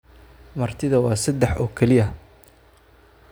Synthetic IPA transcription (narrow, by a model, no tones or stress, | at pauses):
mɐrt̪ʰɪðɐwɑːsɐd̪ɛħɔːkʰɛlɪɐ